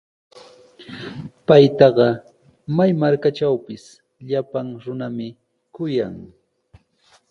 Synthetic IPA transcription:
pajt̪ɑɢɑ | majmaɾkat͡ʃawpɪs | ʎapaŋɾʊnamɪ | kʊjaŋ

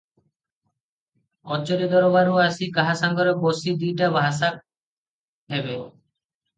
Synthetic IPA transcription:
ɔt͡ɕoɾed̪ɔɾobaɾuasikaɦasaŋɡɔɾɔbosid̪iʈabaɦasak̚ | ɦɛbe

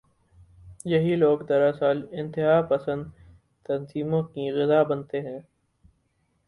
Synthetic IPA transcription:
jɐɦiloːɡd̪ɐɾasaːlɪ̃nt̪ɪɦaːpɐsə̃nd̪ | t̪ɐnziːmõkiɣɪzaːbɐnt̪eɦɛ̃ː

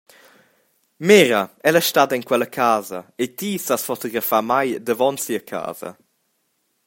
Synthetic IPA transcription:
meːɾɐɛlaʃtad̪ɐinkwɛlɐkʰaːzɐet̪isasfot̪oɡɾafamajd̪əvɔnsiəkʰa̰ːz̥ɐ̰

